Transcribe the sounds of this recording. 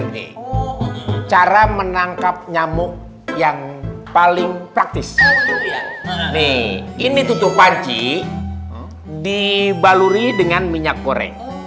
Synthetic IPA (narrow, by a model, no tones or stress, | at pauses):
nḭ | t͡ʃaɾamənaŋkap̚ɲamʊk̚ | jaŋpalɪŋpɾak̚t̪ɪs | nɪinit̪ut̪ʊhpaɲt͡ʃi | dibaluɾidəŋanmiɲak̚ːoɾɛ̰ŋ